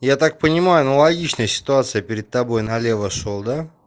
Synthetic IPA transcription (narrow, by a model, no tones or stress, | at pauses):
jat̪ak̚pənʲɪmajʊnolˠɐɡʲit͡ɕnəjəsʲɪ̥t̪ʊat̪sɨjəpʲɪɾʲɪt̪̚t̪ːɐbo̞jnɐlʲe̞vəʂolˠd̪a